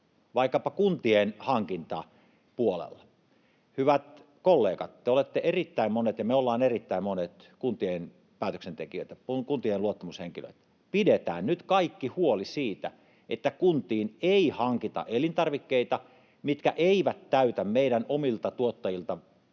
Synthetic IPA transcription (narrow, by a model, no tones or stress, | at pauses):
ʋɑikːɑpɑkunt̪ienhɑŋkint̪ɑ | puolḛlːɑ | hyʋæt̪ | kolːeːkɑt̪t̪eolet̪ːeʔerit̪ːæimmonet̪jɑmeolːɑːnerit̪ːæimonet̪kunt̪ien | pæːt̪øksent̪ekiø̰ˑt̪æpukunt̪ieluot̪ːɑmusheŋkilø̰t̪ | pidet̪æ̰ːnnyt̪kɑikːihuolisiːt̪æ̰ | ʔet̪ːækunt̪iːneihɑŋkit̪ɑ̰ʔelint̪ɑrʋikːeit̪ɑ | mit̪kæʔeiʋæt̪tæyt̪æmmeiɾænomilt̪ɑt̪uot̪ːɑjilt̪ɑ